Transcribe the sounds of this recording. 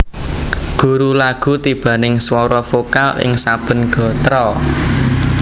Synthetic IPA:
ɡ̥ṳɾulaɡ̥ṳt̪ib̥ä̤nɪŋswɔɾɔfokalɪ̰ŋsab̥ə̤nɡ̥ɔ̤t̪ɾɔ

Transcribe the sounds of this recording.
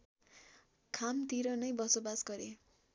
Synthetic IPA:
kʰamt̪iɾʌnʌjbʌsobasɡʌɾe

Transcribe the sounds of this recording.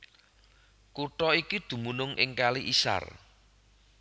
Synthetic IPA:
kuʈɔikid̪̥ṳmunʊŋʔɪ̰ŋkaliʔisa̰r

